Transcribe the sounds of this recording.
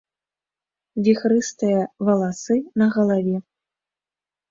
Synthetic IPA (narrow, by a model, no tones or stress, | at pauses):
vʲixɾɨst̪ɨjɐvɐlˠasɨnɐɣɐlˠavʲɛ